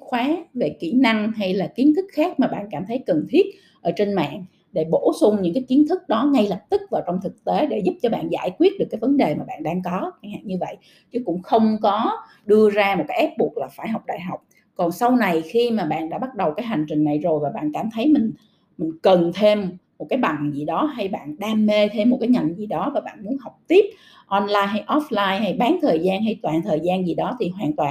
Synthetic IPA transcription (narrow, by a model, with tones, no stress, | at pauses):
xwaː˨˦ve˨˩kḭ˧˩na˧ŋɦa˧jlaː˨˩ki˨˦ənt̪ʰɨ˦˥k̚xaː˦˥k̚maː˨˩ɓa̰ː˧˨nkaː˧˩mt̪ʰə˨˦jkə˨˩nt̪ʰi˦˥ət̚ | ʔəː˧˩t͡ɕe˧nma̰ː˧˨n | ɗe˧˩ɓo˧˩sʊ˧ŋ͡mɲɨ̰˧˥ŋkaː˨˦jki˨˦ənt̪ʰɨ˦˥k̚ɗɔ˨˦ŋa˧jlə˨˩p̚t̪ɨ˦˥k̚vaː˨˩wt͡ɕɔ˧wŋ͡mt̪ʰɨ˨˩k̚t̪e˨˦ɗe˧˩zʊ˦˥p̚t͡ɕɔ˧ɓa̰ː˧˨nza̰ː˧˩jkwi˦˥ət̚ɗɨ˨˩əkːaː˨˦jvə˨˦nɗe˨˩maː˨˩ɓa̰ː˧˨nɗaː˧ŋkɔ˨˦t͡ɕa˧˩ŋ̟ha̰ː˧˨nɲɨ˧və̰˧˨j | t͡ɕɨ˨˦kʊ̰˧˥ŋ͡mxə˧wŋ͡mkɔ˨˦ | ɗɨ˧əzaː˧mo˨˩kaː˨˦jʔa˦˥p̚ɓu˨˩ək̚laː˨˩faː˧˩jɦa˨˩wk͡p̚ɗa̰ː˧˨jɦa˨˩wk͡p̚ | kɔ˨˩nsa˧wna˨˩jxi˧maː˨˩ɓa̰ː˧˨nɗa̰ː˧˥ɓa˦˥t̚ɗə˨˩wkaː˨˦jɦa˨˩ŋ̟t͡ɕï˨˩ŋ̟na˨˩jzo˨˩jvaː˨˩ɓa̰ː˧˨nkaː˧˩mt̪ʰə˨˦jmï˨˩ŋ̟ | mï˨˩ŋ̟kə˨˩nt̪ʰe˧mmo˨˩t̚kaː˨˦jɓa˨˩nzi˨˩ɗɔ˨˦ɦa˧jɓa̰ː˧˨nɗaː˧mːe˧t̪ʰe˧mːo˨˩t̚kaː˨˦jɲa˨˩nzi˨˩ɗɔ˨˦vaː˨˩ɓa̰ː˧˨nmu˨˦ənɦa˨˩wk͡p̚t̪i˦˥əp̚ | ʔɔ˧nlaː˧jɦa˧jʔɔ˦˥flaː˧jha˧jɓaː˨˦ŋt̪ʰəː˨˩jzaː˧nɦa˧jt̪waː˨˩nt̪ʰəː˨˩jzaː˧nzi˨˩ɗɔ˨˦t̪ʰi˨˩ɦwaː˧˨nt̪waː˨˩